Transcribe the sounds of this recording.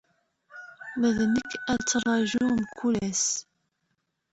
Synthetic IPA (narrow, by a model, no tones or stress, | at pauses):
məðnəkːæt͡sːərˤɑʒumkʰːulæs